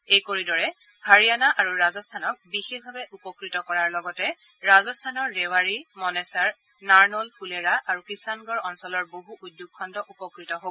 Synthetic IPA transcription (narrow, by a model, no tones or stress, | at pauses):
ejkoɹidɔɹɛ | haɹijanaʔaɹuɹazɔstʰanɔk̚bixexbʱabɛʔupɔkɹitɔkɔɹaɹlɔɡɔtɛ | ɹazɔstʰanɔɹːɛwaɹimɔnɛsaɹ | naɹnɔlpʰuleɹaʔaɹukisanɡɔɹɔnsɔlɔɹboɦuʔudjoɡ̚kʰːɔndɔʔupɔkɹitɔɦo